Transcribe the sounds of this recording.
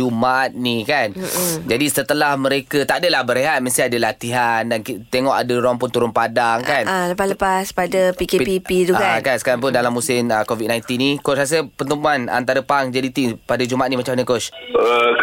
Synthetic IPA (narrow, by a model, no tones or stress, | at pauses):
umat̪̚nikand͡ʒadisət̪əlahməɾekət̪adəlahbəɾeɦat̪̚məst̪iadəlat̪iɦandankit̪eŋɔʔadəɾaŋpʊnt̪uɾʊnpadaŋkanaləpasləpaspadapikepipit̪uakakansə̥kaɾaŋp̬ʊndalamːusɪməkovit̪̚najnt̪inːikot͡ʃras̬əpənt̪əmuana̰nt̪aɾəpaŋd͡ʒadit̪iŋpadad͡ʒumat̪̚nimat͡ʃamaɲəkot͡ʃə